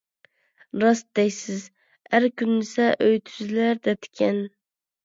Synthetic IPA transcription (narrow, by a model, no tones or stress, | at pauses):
ɾɑs̚d̪ɛjsɪz | æɾkʲʊnːɪsɛʔɵjt̪ʰy̥zlæɾd̪ɛt̪ʰkʲʰɛn